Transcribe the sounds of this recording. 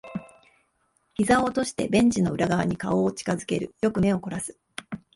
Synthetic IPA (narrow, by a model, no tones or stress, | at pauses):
çizãot̪o̞ɕi̥t̪e̞̰bẽ̞ɲ̟d͡ʑino̞ɯ̟ɾaɡaβaɲ̟ikao̞ːt͡ɕi̥kazɨke̞ɾɯ̟jo̞kɯ̟me̞o̞ko̞ɾasɨ̥